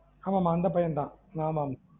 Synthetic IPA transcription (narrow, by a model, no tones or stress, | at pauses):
aːmaːmãːɐnd̪ɐpɐjɐnt̪ã̰ːŋaːmaːm